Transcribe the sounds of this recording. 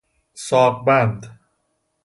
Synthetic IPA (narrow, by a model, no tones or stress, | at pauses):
sɔːk̚band̪